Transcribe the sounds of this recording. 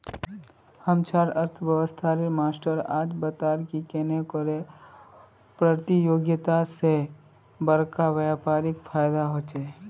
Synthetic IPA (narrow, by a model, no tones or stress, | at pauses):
həmt͡ʃʰaːɾəɾt̪ʰʋjəʋəst̪ʰaɾemaːsʈəɾa̰ːd͡ʒbət̪aːɾkikeːnekɔɾe | pɾət̪ijoːɡjət̪ase | bəɾkaʋjaːpaːɾɪkfʰaːjd̪aɦoːt͡ʃeː